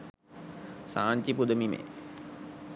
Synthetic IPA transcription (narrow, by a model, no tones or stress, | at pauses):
saːɲt͡ʃipud̪əmimḛ